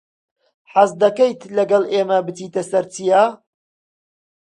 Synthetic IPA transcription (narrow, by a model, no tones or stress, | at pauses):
ħazd̪ɐkejt̪lɐɡɐlˠʔeːmɐbɨt̪iːt̪ɐsɐɾt͡sija